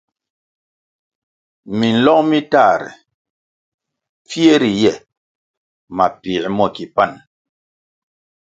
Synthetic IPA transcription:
mi˨n̩˨lɔ˦ŋmi˦ta˦˨ɾɛ̰˨ | p͡fi˦e˦ɾi˨jɛ˦˨ | ma˨pi˨ʔmɔ˦˨ki˨pa˦˨n

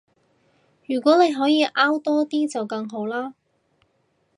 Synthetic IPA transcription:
jyː˨˩kʷɔː˨˥ne˨˧jɦɔː˨˥jiː˨˧ʔaː˥wt̪ɔː˥t̪iː˥t͡sɐ˨wkɐ˧ŋɦo˨˥wlaː˥

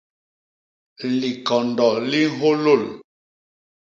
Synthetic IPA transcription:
li˨kɔ˨ndɔ˨li˦ɦo˦lo˦˨l

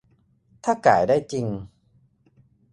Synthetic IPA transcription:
t̪ʰaː˥˩ka̰ː˨˩˦jdaː˥˩jt͡ɕi˧ŋ

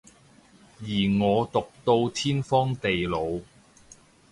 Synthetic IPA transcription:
jiː˨˩ŋɔː˨˧t̪ʊ˨k̚t̪o˧wt̪ʰiː˥nfɔː˥ŋt̪e˨jlo˨˧w

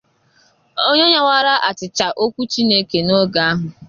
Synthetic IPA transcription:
o˦ɲe˦ɲe˦wʷa˦ɾa˦ʔa˨t͡ʃɪ˨t͡ʃa˨ʔo˦kʷu˦t͡ʃi˦ne˦ke˨no˦ɡa˨a˦ɦʊ˨

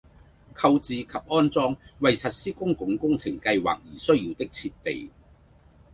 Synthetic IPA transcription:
kʰɐ˧wt͡siː˨kʰɐ˨p̚ɔː˥nt͡sɔː˥ŋwɐ˨jsɐ˨t̚siː˥kʊ˥ŋkʊ˨˥ŋkʊ˥ŋt͡sʰɪ˨˩ŋkɐ˧jwa̰ː˨k̚jiː˨˩sɵ˥ɥjiː˨˧wt̪ɪ˥k̚t͡sʰiː˧t̚p̪ḛ˨˩j

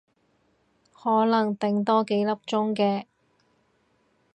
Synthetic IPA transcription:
hɔː˨˥lɐ˨˩ŋt̪ɪ˨ŋt̪ɔː˥ke˨˥jlɐ˥p̚t͡ʃʊ˥ŋkɛː˧

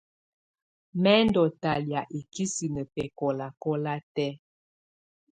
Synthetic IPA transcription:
mɛ˦ndɔ˨ta˨lja˨ʔi˨ki˦si˨nə˨pɛ˨kɔ˨la˨kɔ˦la˦tɛ˦

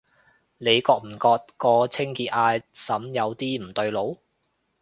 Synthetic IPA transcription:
le˨˧jkɔː˧k̚m̩˨˩kɔː˧t̚kɔː˧t͡sʰɪ˥ŋkiː˧t̚aː˧jsɐ˨˥mjɐ˨˧wt̪iː˥m̩˨˩t̪ɵ˧ɥlo˨˧w

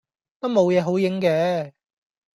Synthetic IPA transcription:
t̪o˥wmo˨˧wjɛː˨˧ɦo˨˥wjɪ˨˥ŋkɛː˨˧

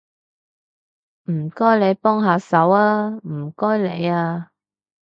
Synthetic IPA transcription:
m̩˨˩kɔː˥jle˨˧jpɔː˥ŋɦaː˨˧sɐ˨˥waː˧m̩˨˩kɔː˥jle˨˧jaː˧

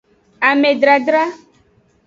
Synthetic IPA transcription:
a˨mẽ˨ɖɾa˨ɖɾa˦

